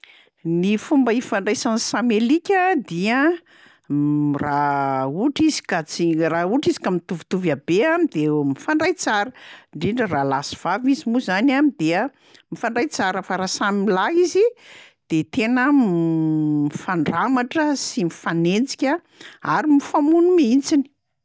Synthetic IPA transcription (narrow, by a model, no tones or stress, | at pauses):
nifumbəifaɳɖ͡ʐajsansamelikʲəd̪iə | rauʈ͡ʂizi̥kat͡sirauʈ͡ʂizi̥kamit̪uvit̪uvabeamid̪emifaɳɖ͡ʐajt͡saɾəɳɖ͡ʐiɳɖ͡ʐəralasi̥v̥avizimuzanamid̪eə | mifaɳɖ͡ʐajt͡saɾəfaɾasamilaizid̪̥et̪enə | mifaɳɖ͡ʐamaʈ͡ʂəsimifanend͡zi̥kʲa | aɾimifamunumiint͡sini̥